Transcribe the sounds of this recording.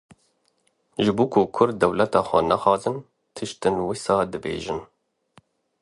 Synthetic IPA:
ʒɨbuːkʰʊkʰʊɾd̪̚d̪ɛwlɛt̪ɑːxʷɛnæxɑːzɨn | t̪ʰɨʃt̪ɨnwɨsɑːd̪ɨbḛːʒɨn

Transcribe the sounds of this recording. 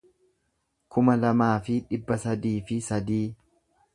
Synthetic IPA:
kʊmɐlɐmaːfɪᶑɪbːɐsɐd̪iːfɪsɐd̪iː

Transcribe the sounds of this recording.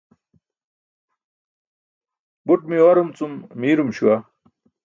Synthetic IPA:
buʈmioɾumt͡summiːɾumɕuwa

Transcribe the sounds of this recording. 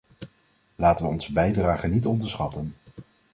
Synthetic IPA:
laːtəʋəɔnzəbɛjdraːχənitɔndəɹsχɑtən

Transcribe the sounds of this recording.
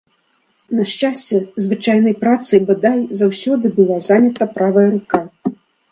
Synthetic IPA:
nɐʂt͡ʂasʲt͡sʲɛzvɨt͡ʂajnɐjpɾat̪sɨjbɨd̪ajzawsʲɔd̪ɨbɨlˠazanʲɐt̪ɐpɾavɐjɐɾuka

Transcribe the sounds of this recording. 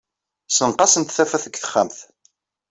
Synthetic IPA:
sənqɑsənt̪θæfæθəɡθə̥χːæ̰mθ

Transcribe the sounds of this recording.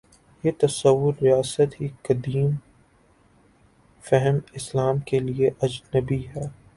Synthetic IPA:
jet̪ɐsɐʋːʊɾːijaːsət̪ɦikɐd̪iːm | fɛɦɛmɪslaːmkelieʔɐd͡ʒnəbiɦɛː

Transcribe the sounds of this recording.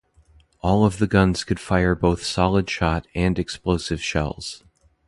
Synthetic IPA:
ʔɔlˠʌvðɨɡʌ̃nz̥kʰɨd̥faɪə˞boʊθsɑlˠəd̥ʃɑɾɨ̃ndɨksploʊsɨv̥ʃɛ̰lˠz̥

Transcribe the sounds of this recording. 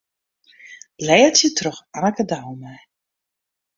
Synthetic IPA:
lɛːətjətrɔxanəkədawmɛj

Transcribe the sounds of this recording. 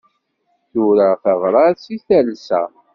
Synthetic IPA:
θʊɾaθəvɾˤɑɾsiθælsæ̰

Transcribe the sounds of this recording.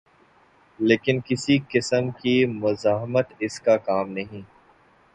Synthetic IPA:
leːkɪnkɪsikɪsəmkimʊzaːɦmət̪ɪskakaːmnɐɦĩː

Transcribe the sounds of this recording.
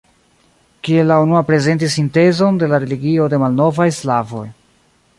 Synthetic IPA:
kie̞lːaunuapɾe̞ze̞nt̬is̬ːinte̞zo̞nde̞laɾe̞liɡio̞de̞malno̞vajslavo̞̰j

